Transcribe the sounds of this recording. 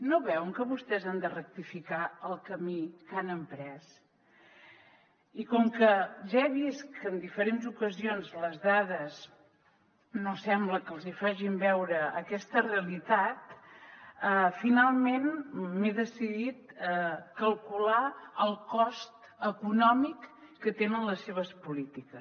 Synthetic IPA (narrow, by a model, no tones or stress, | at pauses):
noβɛwŋkəβust̪ɛzand̪ərək̚t̪ifikaəlˠkəmikanəmpɾɛs | ikɔŋkəʒaeβiskənd̪ifəɾenzukəzionzləzðaðəz | nosɛmbləkəlˠzifaʒimbɛwɾəːkɛst̪əreəlit̪at̪ | əfinalˠmenmeðəsiðit̪̚əkəlˠkulaəlˠkɔst̪ | əkunɔmikːət̪enənləsːeβ̞əspulit̪ikəs